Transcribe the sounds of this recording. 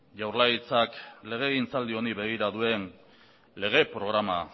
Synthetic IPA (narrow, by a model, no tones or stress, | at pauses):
ʝawrlait͡sakle̞ɣ̞e̞ːɣint͡sald̪io̞niβe̞ɣ̞iɾaðue̞n | le̞ɣ̞e̞pɾo̞ɣɾama